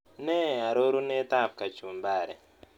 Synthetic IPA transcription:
nɛ˦a˨ɾo˦ɾu˦nɛ˦t̪a˦˨p̚ka˨t͡ʃu˨mba˨ɾɛ˨

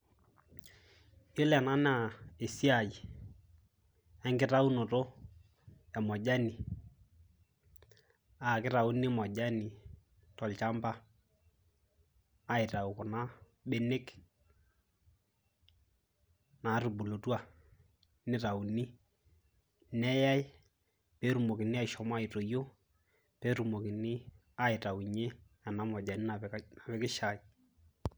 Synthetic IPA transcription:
jo˦lɛ˨na˦na˨e˨si˦a˨ji˨ | ɛ˦ŋɡɪ˦ɾa˦u˦no˨to˦ | ɛ˨mɔ˨ʄa˦ni˨ | a˨kɪ˦ɾa˨u˦nɪ˦mɔ˨ʄa˦ni˨ | tɔ˨lt͡ʃa˦mba˦ | ɪ˨ta˨u˨kʊ˨na˦ | ɓe˦ne˦k | na˨ru˨bu˨lo˨twa˨ | nɪ˦ra˨u˨ni˦ | nɛ˦ja˦j | pe˦ɾu˨mo˨kɪ˨nɪ˦a˦˨ɪ˨ʃɔ˨m˦a˦i˨to˨jo˦ | pɛ˦ɾu˨mo˨kɪ˨nɪ˦ | a˦ɪ˨ta˨wu˨ɲe˦ | a˨na˨˦mɔ˨d͡ʒa˨ni˦na˨na˨bɛ˦kɪ˦ʃa˨j

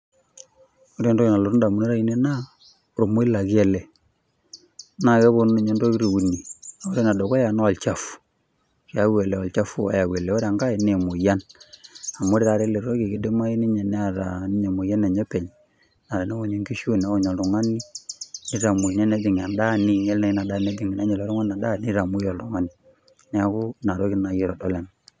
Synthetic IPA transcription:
o˦ɾe˦˨ndo˦ki˨na˨lo˨ɾu˦nda˨mu˨ne˦ɾa˦i˨ne˦na˦˨ | ɾo˨mo˦i˦la˨kɛ˨lɛ˨ | na˨ke˦βo˦ne˨ɲe˦ndo˦ki˦ɾi˨u˨ni˨a˨o˦ɾe˦na˨do˨ko˦ja˨na˦ɔ˨lt͡ʃa˨fu̥˨ | ki˨a˦we˨le˨ɔ˨lt͡ʃa˦fu˦a̰˨ja˨we˨lɛ˨ɔ˦ɾa˨ŋɡa˦i˨ne˨mo˨ja˦n | a˨mo˦ɾe˦ɾa˨ɾe˦le˨ɾo˦ki˨ki˦de˦ma˦i˦ni˦ɲe˨ne˦a˨ɾa˨n˦ɲe˨mo˨ja˦ne˨ɲe˦pɛ˨ɲ | na˨ɾe˨na˦o˨ɲo˨ŋɡi˦ʃu˦na˦o˦˨ɲo˨lɾu˨ŋa˦ni˦ni˦ɾa˨mu˨ɲɛ˦ne˦di˨ŋ˨a˨nda˦ni˨ɲe˦lna˨i˦na˨da˦˨ne˦di˨ŋi˨na˦ɲe˨lo˨˦ɾʊ˦ŋa˦na˨da˦˨ni˦ɾa˨mo˦jɔ˨lɾu˨ŋa˦ni˨ | nɛ˦a˨ku˦na˨ɾo˦ki˦na˨ji˦ɾɔ˨dɔ˦le˨n

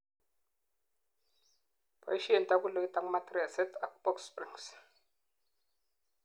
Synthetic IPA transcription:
pa̰˨i˦ʃi˦e˨n˨ta˦ku˦lo˨i˦ta˨ŋ˦ma˦tɾi˦a˨se˦ta˨ku˦pɔ˦kspɾḭ˨ŋs

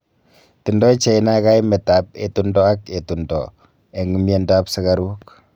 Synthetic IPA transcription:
ti˨ndɔ˦i˦t͡ʃe˨ina˦ka˦jmɛ˨ta˨p̚ḛ˨tundɔ˦a˦ke˨tundɔ̰˨ | e˨ŋi˨mje˦nda˦psɪ˦kaɾu˦k

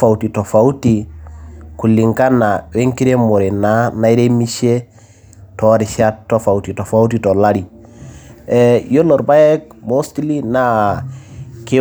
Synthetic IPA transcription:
fa˨uti˨to˨fau˦ti | ku˨lːi˨ŋka˦na˨we˦ŋki˦ɾe˦mɔ˨ɾe˨na˦na˦i˦ɾe˦mi˦ʃe˦ | tɔɾi˨ʃa˦tːo˦fa˨uti˨to˨fa˦u˦titɔ˨la˦ɾi˨ | ɛjo˦lɔ˨ɾba˦jɛ˦k̚mo˦sti˦li˦na˦ | ke˦

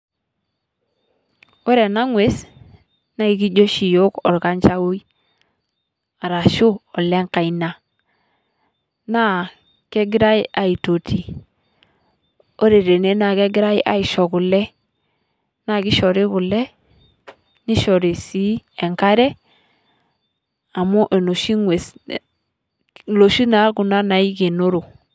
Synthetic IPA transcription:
o˦ɾe˨na˦ŋwe˦s | na˦i˨ki˦d͡ʒo˦ʃi˨jo˦kɔ˨ɾka˦nt͡ʃa˦wu˦i˦ | a˨ɾa˨ʃu˦ɔ˨le˦ŋka˨i˨na˨ | na˦ | ke˦ɡɪ˦ɾa˦i˦a˨i˨to˨tʰi˨ | o˦ɾe˨ɾe˨ne˨˦na˨ɡe˦ɡi˦ɾa˦i˦ʔa˨i˨ʃɔ˨ɡu˨lɛ˦ | na˨ɡi˦ʃɔ˨ɾe˦ɡu˨lɛ˦ | ni˦ʃɔ˨ɾe˨si˦e˨ŋka˦ɾɛ˦ | a˨mo˦ʔe˨no˨ʃi˦ŋwe˨s | lo˨ʃi˦na˨˦ɡu˨na˦na˨i˦ɡe˨no˦ɾo˨

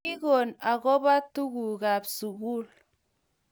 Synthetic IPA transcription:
i˦ɣo˨na˨ɣɔ˦ba˦tu˦ɣu˨ɣa˨bsu˨ɣu˦˨l

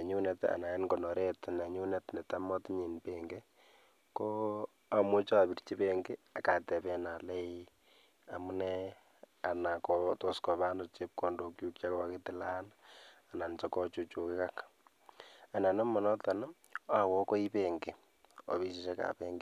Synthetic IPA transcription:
e˨ɲu˦nɛta̰˨na˨ɛ˦nkɔ˨nɔ˨ɾe˦tna˨ɲu˦nɛtnɛ˨ta˦mɔ˦tɲi˨npeŋɡe˦ | kɔ˦ | a˨mo˦t͡ʃɔ˦a˨bi˨rt͡ʃi˦peŋɡe˦a˨ka˨tɛ˨pɛ˦na˨lɛ˦i | a˨mu˦nɛ | a˨na˨kɔto˦skɔ˨βa˦nɔt͡ʃe˦p̚kɔ˨ndo˦kju˦kt͡ʃa˦kɔ˦aketɪ˦la˦na˨na˨nt͡ʃɔ˦kɔt͡ʃu˦t͡ʃo˨kɪ˦ka˦k | a˨na˨nɔ˦mɔ˨nɔ˦ta˨nɔ˦ | a˨wɔ˦kɔ˦i˦peŋɡe˨ | ɔ̰˨βi˦si˨ʃɛ˦ka̰˨pe˦ŋɡe˦

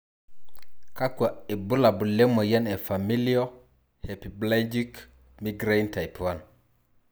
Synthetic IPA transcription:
ka˦ka˨e˨bu˦la˨bu˨lːe˦mo˨ja˦ne˨fami˦lio | hepiblad͡ʒik | mi˦ɡɾenta˨jpwan

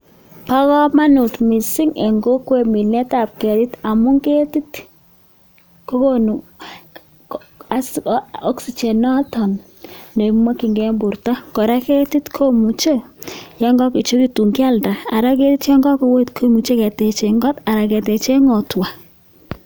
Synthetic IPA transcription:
pa˦kɔ˦ma˦nu˨tmi˨si˦ŋe˨ŋɡo˦kwe˨mi˨nɛ˦ta˨p̚kɛ˨ti˦ta˨mu˦ŋɡe˦ti˦t | ko˦ko˦nu˨ | a˦sɔ˦ksi˨t͡ʃɛ˨nɔ˦tɔ˨n | ne˨mɔ˦ki˨ŋɡɛ˦mbu˨rta˦kɔ˨ɾa˦ke˦ti˦tkʰo˦mu˨t͡ʃe˦jɔ˦ŋɡɔ˦ki˨t͡ʃo˦ki˦tu˨ŋɡi˦a˦˨lda˨a˨ɾa˦k̬e˦ti˦tjɔ˦ŋɡɔ˦ko˨˦we˦tkʰo˦mu˨t͡ʃe˦kɛ˨tɛ˨t͡ʃe˨ŋɡɔ˦ta˨ɾa˨kɛ˨tɛ˨t͡ʃe˦ŋɔ˨twa˨

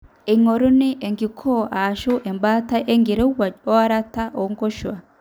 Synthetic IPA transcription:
e˨ŋo˨ɾu˦ni˦ʔe˨ŋɡi˨kʰo˦a˨ʃu˦ʔe˨mba˦ta˦ʔe˦ŋɡi˨ɾe˦wa˨d͡ʒo˦a˦ɾa˦ta˦ʔo˨ŋɡo˦ʃwa˨

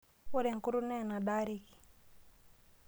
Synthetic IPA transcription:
u˦ɾɛ˨ŋ˨ku˦ɾu˦nɛ˦˨na˨ɗa˦ɾi˨ki̥˨

